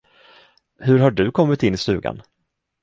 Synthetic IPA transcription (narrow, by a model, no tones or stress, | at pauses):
hɵɾɦaɖɵkʰɔmːɪt̪ɪnːɪst̪ʉ̟ːɡa̰n